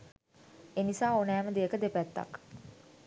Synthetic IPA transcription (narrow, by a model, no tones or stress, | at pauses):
enisaːonɛːməd̪eəkəd̪epæt̪ːa̰k